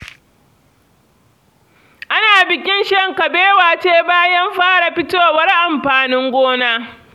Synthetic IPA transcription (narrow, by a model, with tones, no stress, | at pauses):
ʔa˦naː˨bɪ˨kʲɪ˦nʃɐ˦˨ŋkɐ˨beː˦waː˨t͡ʃeː˦baː˦jɐ˦mɸaː˦ɽa˨ɸɪ˦toː˦˨wɐ˦rʔa˨mɸaː˨nɪ˦ŋɡʷoː˦naː˦